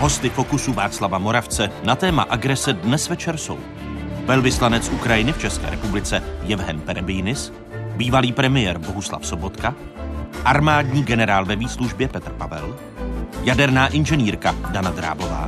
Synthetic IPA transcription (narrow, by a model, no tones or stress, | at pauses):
ɦo̞st̪ɪfo̞kusuvaːt͡slavamo̞ɾaft͡sɛnat̪ɛːma̰ʔaɡɾɛsɛdnɛsvɛt͡ʃɛɾso̞̰w | vɛlvɪslanɛt͡sʔukɾajɪnɪft͡ʃɛskɛ̰ːɾɛpublɪt͡sɛjɛvɦɛnpɛɾɛbɪjnɪs | biːvaliːpɾɛmɪjɛːɾbo̞ɦusla̰fso̞bo̞t̪ka | ʔaɾmaːdɲiːɡɛnɛɾaːlvɛviːsluʒbjɛpɛt̪rpavɛ̰l | jadɛɾnaːʔɪnʒɛniːɾkadanad̪ɾa̰ːbo̞va̰ː